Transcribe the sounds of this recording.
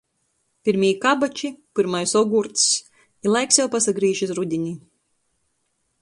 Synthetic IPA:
pʲiɾmʲijkabat͡ʃipɨɾmajsɔɡuɾt̪s | ilˠajksjawpasaɡɾiːʃisɾud̪ʲiɲʲi

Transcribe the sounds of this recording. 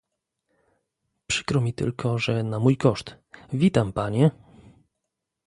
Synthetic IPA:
pʂɘ̥kɾɔmʲit̪ɘ̰lkʰɔʐɛnamujkɔʂt̪ | vʲit̪ampaɲɛ

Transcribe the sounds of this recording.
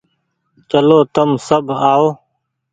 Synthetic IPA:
t͡ʃəloːt̪əmsəbʱaːoː

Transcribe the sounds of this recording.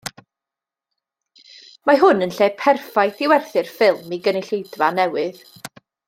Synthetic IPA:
maɦʊnənɬeːpʰɛrfajθɪwɛrθɪrfɪlˠmiɡənɪɬejdvanɛwɨð

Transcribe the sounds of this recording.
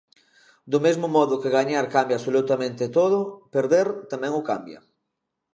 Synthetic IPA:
d̪ʊmezmʊmɔðʊkɪɣaɲaɾkambjasolut̪amẽnt̪ɪt̪oðʊpeɾðeɾt̪amɛ̃ŋʊkambjɐ̰

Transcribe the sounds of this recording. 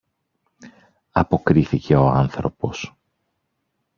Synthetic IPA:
ɐpo̞kɾiθice̞o̞ɐ̰nθɾo̞po̞s

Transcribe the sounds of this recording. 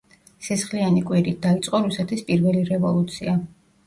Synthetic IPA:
sʰɛsχlianikʼwiɾit̪̚d̪ait̪sʼqʼɔɾusɛt̪ʰispʼiɾvɛliɾɛvɔlˠut̪sʰia

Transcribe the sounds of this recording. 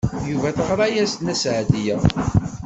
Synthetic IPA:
juvæθəʁɾˤɑjæsnæsʕd̪ijæ

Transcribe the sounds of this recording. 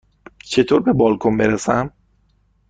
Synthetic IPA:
t͡ʃʰe̞t̪ʰoːɾbe̞bɒːlkʰombe̞ɾesæm

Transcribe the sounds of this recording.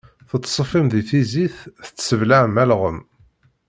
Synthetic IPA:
θət̪ˤːsˤəfimðiθiziθθət͡sːsəvlaʕəmælʁəm

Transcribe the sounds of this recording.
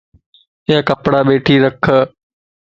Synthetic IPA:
ɪjakɐpɽaɓeːʈʰiːɾɐkʰ

